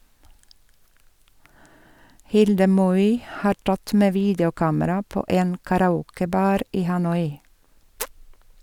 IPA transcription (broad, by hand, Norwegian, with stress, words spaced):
ˈhɪldə ˈmɔʏ ˈhɑː ˈʈɑt ˈmeː ˈʋiːdjʊˌkɑːməɾɑ ˈpoː ˈeːn kɑɾɑˈuːkəˌbɑːɾ ˈiː hɑˈnɔʏ